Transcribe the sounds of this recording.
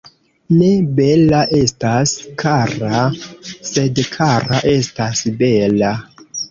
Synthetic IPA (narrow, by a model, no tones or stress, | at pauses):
ne̞be̞laʔe̞staskʰaɾase̞dkʰaɾaʔe̞stasbe̞la